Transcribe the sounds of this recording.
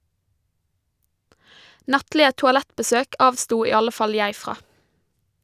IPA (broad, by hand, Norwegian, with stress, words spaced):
ˈnɑtlɪə tʊɑˈlɛtbəˌsøːk ˈɑːʋstuː ˈiː ˈɑlə ˈfɑl ˈjæɪ ˈfʁɑː